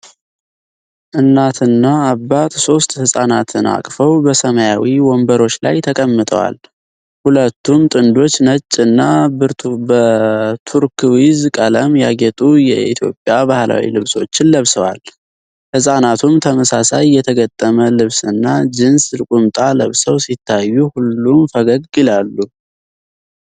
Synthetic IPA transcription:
ʔɨnːat̪ʰɨnːaːβːat̪so̞st̪ʼhɨsʼanat̪ʰɨna̰kʼfəwbəsəmajawiwɔmbəɾo̞t͡ʃːla̰jt̪ʰəkʼəmːɨt̪ʼə̰wa̰l | hulət̪ːumt̪ʼɨnd̪o̞t͡ʃːnət͡ʃʼːɨnːabɨɾbət̪ʰuɾkʰwizkʼələmjaɡɛt̪ʼujɛʔḭt̪ʰjo̞pʼːjabahla̰wḭlɨβso̞̰t͡ʃːɪnləβsəwa̰l | hɨsʼanat̪ʰumt̪ʰəməsasajːɛt̪ʰəɡət̪ʼːəməlɨβsɨnːad͡ʒɨnsɨlɨkʼumt̪ʼaləβsəwsit̪ʰːajːuhulːumfəɡəɡɪlalːu

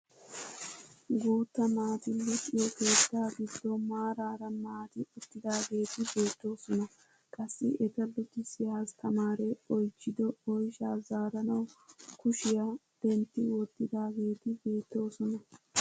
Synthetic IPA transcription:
ɡuːt̪ːɐnaːt̪ɪlːʊt͡ʃʼːɪjɔke̞ːt̪ːaːɡɪd̪ːɔmaːɾaːɾɐnaːt̪ɪʊt̪ːɪd̪aːɡe̞ːt̪ɪbe̞ːt̪ːo̞ːsɔnɐ | kʼɐsːɪʔɛt̪ɐlʊt̪ːɪsɪhaːst̪ʰɐmaːɾɛɔjt͡ʃːɪd̪ɔɔjʃaːzaːɾɐnɐwkʊʃɪja | b̥ɛnt̪ːɪwɔt̪ːɪd̪aːɡe̞ːt̪ɪbe̞ːt̪ːo̞ːsɔnɐ

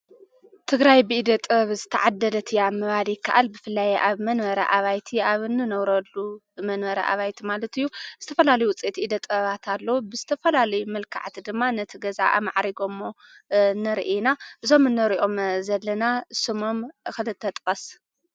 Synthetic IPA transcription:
t̪ʰɨɡɾajbɨʔid̪ɐt̪ʼɐβzɨt̪ʰɐ̰ʕad̪ːɐlɐt̪ʰɨjamɨβalijɪkʰːaʔalbɨfɨlːajʔaβmɐnβɐɾɐ̰ʔaβajt̪ʰiaβɨnːɨnɐwɾɐlːu | mɐnβɐɾɐ̰ʔa̰βajt̪ʰimalɐt̪ɨjːuz̥ɨt̪ʰɐfɐlalɐjuwʊt͡sʼet̪ʔid̪ɐt̪ʼɐβat̪ʰalːɐwubɨzɨt̪ʰɐfɐlalɐjumɐlkʰa̰ʕt̪ʰid̪ɨmːanɐt̪ʰiɡɐza̰ʔa̰maʕɾiɡomːo | nɐɾʔenaʔɨzo̞mɨnːɐɾiʔo̞mzɐlːɐnasɨmomxɨlɨt̪ʰːɐt̪ʼkʼɐs

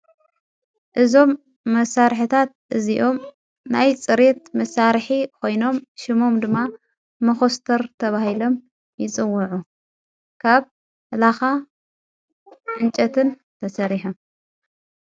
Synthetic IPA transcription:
ʔɨzo̞mː | ɐsaɾħɨt̪ʰat̪̚ʔɨziʔo̞m | najt͡sʼɨɾet̪̚mɐsaɾħikʰo̞jno̞mʃɪmo̞md̪ɨmːa | mɐxost̪ʰɐɾt̪ʰɐβahilo̞m | jɪt͡sʼɨwːʊʕu | kʰaβ | laxa | ʕɨnt͡ʃʼɐt̪ʰɨn | t̪ʰɐsɐɾiħum

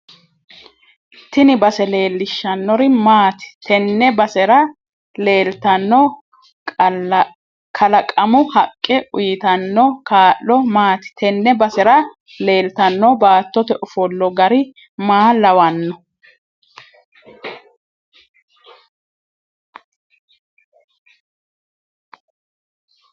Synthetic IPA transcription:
t̪ɪnɪbɐsɛle̞ːlːɪʃːɐnːɔɾɪmaːt̪ɪ̥t̪ʰɛnːɛbɐsɛɾɐ | le̞ːlt̪ɐnːɔ | kʰɐlɐkʼɐmʊhɐkʼːɪʔʊjɪt̪ɐnːɔkaːʔːɔmaːt̪ɪ̥t̪ʰɛnːɛbɐsɛɾɐ | le̞ːlt̪ɐnːɔbaːt̪ːɔt̪ɛʔʊfɔlːɔɡɐɾɪ | maːlɐwɐnːɔ

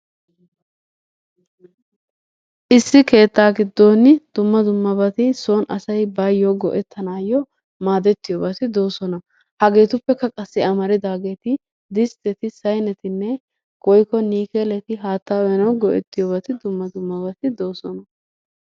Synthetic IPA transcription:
ʔɪsːɪke̞ːt̪ːaːɡɪd̪ːo̞ːnɪd̪̥ʊmːɐd̪ʊmːɐbɐt̪ɪso̞ːnɐsɐjbajːɔɡɔ̰ʔɛt̪ːɐnaːjɔ | maːd̪ɛt̪ːɪjoːbɐt̪ɪd̪o̞ːsɔnɐ | hɐɡe̞ːt̪ʊpːɛkɐkʼɐsːɪɐmɐɾɪd̪aːɡe̞ːt̪ɪ | d̪ɪst̪ɛt̪ɪsɐjnɛt̪ɪnːɛ | ɡ̥ɔjkɔniːkɛlɛt̪ɪɦaːt̪ːaːwɛnɐwɡɔʔɛ̰t̪ːɪjoːbɐt̪ɪd̪ʊmːɐd̪ʊmːɐbɐt̪ɪd̪o̞ːsɔnɐ

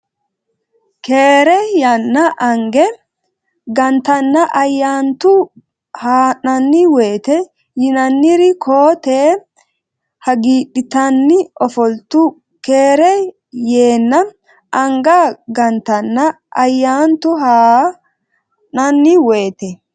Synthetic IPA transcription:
ke̞ːɾɛjɐnːɐʔɐŋɡɛ | ɡɐnt̪ɐnːɐʔɐjːaːnt̪ʊ | haːnɐnːɪwe̞ːt̪ɛ | jɪnɐnːɪɾɪkʰoːt̪eː | hɐɡiːɗɪt̪ɐnːɪɔfɔlt̪ʊ | keːɾɛ | jeːnːɐ | ɐŋɡɐɡɐnt̪ɐnːɐ | ʔɐjːaːnt̪ʊɦaː | nɐnːɪwe̞ːt̪ɛ

